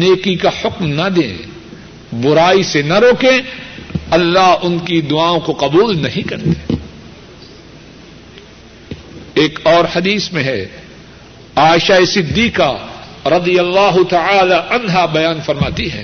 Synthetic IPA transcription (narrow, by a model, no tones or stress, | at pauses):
neːkikahʊkmnɐd̪ḛ̃ː | bʊɾaːisenaɾoːkẽ | ɐlːaɦʊnkid̪ʊaːõkoqɐbuːlnɐɦĩkɐɾt̪e̥ | eːkɔːɾhɐd̪iːsmẽɦɛ | aːɪʃaesɪd̪ːiːka | ɾɐd̪ijɐlːaːɦʊt̪ɐʕaːlaʔɐnɦabɐjaːnfɐɾmaːt̪iɦɛ̰̃ː